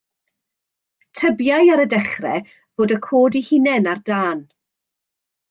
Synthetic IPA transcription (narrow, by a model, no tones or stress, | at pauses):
tʰəbjajaɾədɛχrɛ̰ | voːdəkʰoːdihɪnɛnardaːn